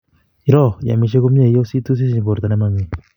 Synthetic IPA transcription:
i˦ɾɔ˦˨ja̰˨mi˨ʃ̬e˦ku˦mja˦˨jo˦si˦t̪u˦s̬i˦si˨˦ɲbo˨ɾt̪a˨ne˦ma˦ŋi˨

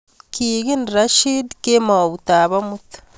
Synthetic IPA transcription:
kʰiːɣi˦nɾa˦ʃidke˦ma˨o˨βu˨taːβa˦mutḁ

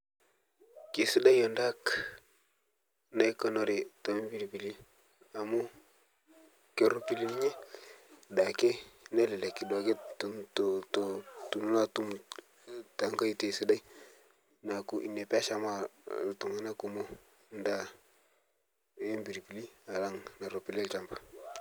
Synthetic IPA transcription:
ki˨si˦da˦jo˨nda˦k | na˦jkə˨no˦˨ɾe˨to˨e˦mbi˨ɾbi˨li˦ | a˨mu˦ | ke˨ɾo˨pi˨li˦ni˦ɲe˦ | da˨ke˦ne˦le˨le˨ki˨do˨ɡe˦utttu˨nu˦na˦tu˦m | ta˨ŋka˦i˦te˨si˦da˦ji˦ | na˨ku˦ʔḭ˨ne˨pa˦ʃa˦˨ma˦˨tu˨ŋa˦na˦ku˨mo˦ | nda˦ | e˦mbi˨ɾi˨pi˨li˦a˨la˦ŋna˨ɾo˨pi˨llt͡ʃa˨mbḁ˨

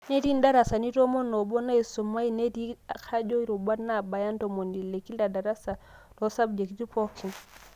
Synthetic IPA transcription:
ne˦ti˦nda˦ɾa˨sa˨ni˦to˦mɔ˦nːo˨bɔ˦na˦i˨su˨ma˦i˦ne˦ti˦a˨kʰa˦d͡ʒo˦i˦ɾu˨ba˦na˦˨ba˨ja˦ntomo˨ndi˨le˨kːi˦lda˨da˨ɾa˦sa˨ | tɔ˦sa˦bd͡ʒe˨ki˦ti˦po˦kʰːi˨n

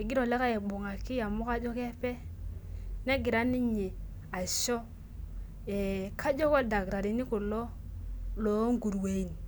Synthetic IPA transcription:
e˨ɡi˦ɾo˨le˦ka˦je˨ɓu˨ŋa˨ki˦ja˨mu˦ka˦d͡ʒo˦ke˦pe˦ | ne˦ɡi˨ɾa˦ni˦ɲe˨ | a˨ʃo˦ | e˨kʰa˦d͡ʒo˦ko˦da˨kɾa˨ɾi˨ni˦ku˨lo˦ | lo˨˦ŋɡu˨ɾwe˨i˨n˨

